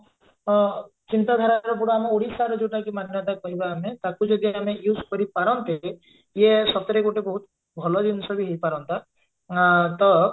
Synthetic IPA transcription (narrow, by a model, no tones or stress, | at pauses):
t͡ʃint̪ad̪ʱaɾaɾɔp̬uɽɔamɔoɽisaɾɔd͡ʒoʈakimaninaʈakɔɦibaːmet̪akud͡ʒɔd̪iamejuskɔɾipaɾɔnt̪e | jesɔt̪ɔɾekoʈebɔɦut̪ | bʱɔlɔd͡ʒ̪insɔbiɦejpaɾɔnt̪a | t̪ɔ